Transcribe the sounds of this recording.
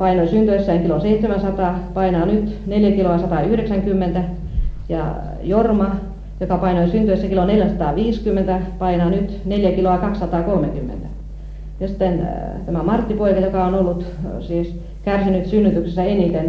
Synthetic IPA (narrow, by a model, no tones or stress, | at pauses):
pɑinoisynt̪yesːæiŋkiloseit̪semæsɑt̪ɑːpɑinɑːnyt̪neljækiloɑsɑt̪ɑˑyhɾeksæŋkymːent̪æ | jɑ̰ | jormɑ | jokɑpɑinoisynt̪yesːækiloneljæsɑt̪ɑːʋiːskymːent̪æpɑinɑːnyt̪neljækiloɑkɑksːɑt̪ɑːkolmekymːḛnt̪æ | jɑsi̥t̪ːent̪æmæmɑrt̪ːipoikɑjokɑonolːut̪siːs | kærsinyt̪synːyt̪yksesːæenit̪en